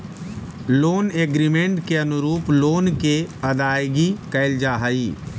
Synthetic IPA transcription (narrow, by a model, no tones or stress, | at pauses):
loːneːɡɾimẽɳʈkeɐnʊɾuːploːnkeɐd̪aːjɡikɐɪld͡ʒaːɦaiː